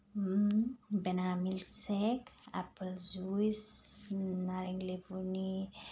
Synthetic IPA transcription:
benamilseka̰pəlzuis | naɾeŋilevuni

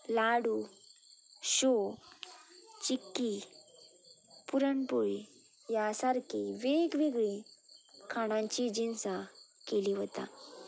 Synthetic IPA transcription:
laɽu | ɕo | t͡ɕikːi | puɾəɳpuɭi | jasaɾkʰiʋeɡʋiɡɭikʰaɽ̃ãɲt͡ɕid͡ʑinsa | keliɦot̪a̰

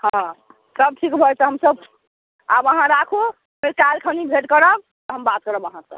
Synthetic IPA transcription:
hɔ̃ | səb̚ʈʰikbʱəjt̪əɦəmsəb | abəɦãɾakʰu | meɾkalkʰanibʱeʈkəɾəb̚t̪ɔɦəmbat̪̚kəɾəbəɦãsə̰b

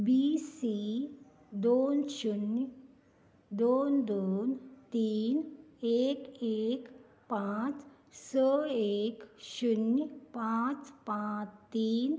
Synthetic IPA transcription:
bisiː | d̪oːnʃunjə | d̪oːnd̪oːnt̪iːneːkeːk | pãt͡s | səeːkʃunjpãt͡spãt̪iːn

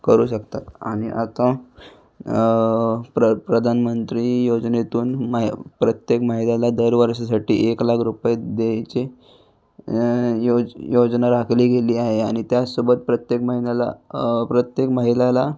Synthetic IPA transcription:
kəɾuːɕəkt̪at̪a̰ɽ̃iʔat̪ã | pɾəpɾəd̪ʱanmənt̪ɾijod͡znet̪uːnmpɾət̪jekmaɦilalad̪əɾʋəɾʂasaʈḭːʔeklakʰɾupjed̪et͡ɕe | jojod͡znaɾakʰliːɡʱeliːaɦeaɽ̃it̪jasubət̪̚pɾət̪jekməɦinala̰pɾət̪jekmaɦilala

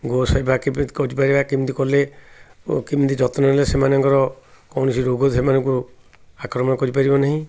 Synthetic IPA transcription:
ɡosɔjbakib̪kɔɾipaɾibakimint̪ikɔle | kimt̪id͡ʒɔt̪nɔlesemanɔŋkɔɾɔkɔwnɔsiɾoɡɔt̪emanɔ̃ŋku | akɾɔmɔnɔkɔɾipaɾibɔnaɦĩ

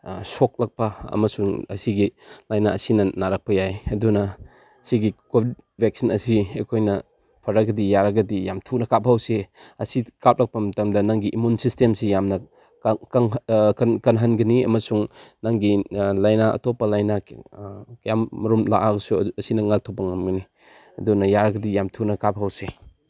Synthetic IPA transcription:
sok̚lɐk̚pɐɐ̰mɐsuŋɐ̰siɡilajnaɐsinɐnaɾɐk̚pɐjajɐdunɐ | siɡikobʰʱid̚ | bʱek̚sinɐsiejkʰojnɐ | pʰɐɾɐɡɐdijaɾɐɡɐdijamtʰunɐkap̚ʰawseɐsikap̚lɐk̚pɐmɐtɐmdɐnɐŋɡiʔimunsistemsijamnɐ | kŋkɐnkɐnɦɐnɡɐniɐ̰mɐsuŋnaŋɡilajnaʔɐ̰tɔpɐlajna | kjamːɐɾumla̰ʔaɡɐsuɐsinɐŋak̚tʰopːɐŋɐmɡɐni | ɐdunɐjaɾɐɡɐdijamtʰunɐkap̚ɦawse

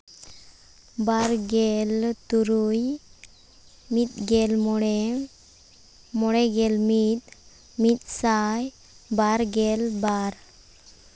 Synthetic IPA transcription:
baɾɡɛlt̪uɾuj | mit̪̚ɡɛlmɔɽe | mɔɽɛɡɛlmit̪̚ | mit̪̚saj | baɾɡɛlbaɾ

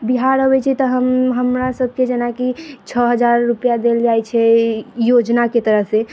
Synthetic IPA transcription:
biɦaɾəbɛt͡ʃʰɛt̪ɔɦəmɦəmɾasəb̚ʱked͡ʒenakit͡ʃʰəɦəd͡ʒaɾːupjad̪eld͡ʒajt͡ʃʰɛjod͡ʒnaket̪əɾəɦse

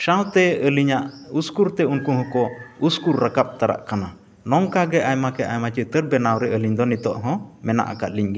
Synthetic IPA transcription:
ʃawt̪ɛəliɲaʔuskuɾt̪ɛunkũɦɔ̃kɔuskuɾːəkap̚t̪aɾa̰ʔkana | nɔŋkaɡɛʔajmakɛʔajmat͡ʃət̪əɾbɛnawɾɛʔəliɲd̪ɔnit̪ɔʔɦɔ̃mɛna̰ʔa̰kat̪̚liɲɡɛ

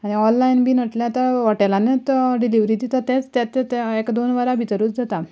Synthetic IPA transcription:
aɽ̃iɔllainbʱiːnəʈljat̪əɾʋaʈalanet̪ɖiliʋɾit̪it̪əɾt̪et͡st̪jat̪et̪ekd̪onʋaɾabʱit̪ɾuːt͡sd͡zat̪a

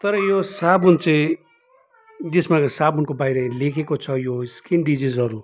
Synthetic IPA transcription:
t̪ʌɾʌjosabunt͡saĩ | d͡zesmãsabunkobajɾʌlekʰekot͡sʰʌjoskinɖid͡zizɦʌɾu

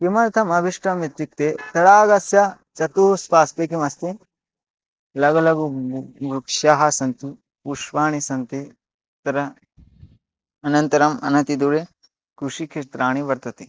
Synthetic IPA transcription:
kimɐɾt̪ʰɐmɐbʱiʂʈɾɐmit̪ɾik̚t̪et̪ɐɽaːɡɐsjɐ | t͡ʃɐt̪uuspaːspekimɐst̪i | lɐɡɐlɐɡubukʂjaɦɐsɐnt̪u | uʂʋaːɳisɐnt̪i | t̪ɐɾɐ | ɐnɐnt̪ɐɾɐmɐ̰nɐt̪id̪uɾe | kɾuʂikʰiʃt̪ɾaːɳ̃iʋɐɾt̪ɐt̪i

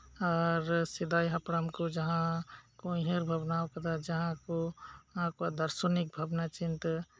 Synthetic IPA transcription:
ɔːɾsɪd̪aːjɦɐpɾəmkod͡ʒəɦãkoiɦeɾbʱəbnaːwkəd̪ad͡ʒɐɦãkoãkoad̪əɾsunik̚bʱəbnat͡ʃɪnt̪

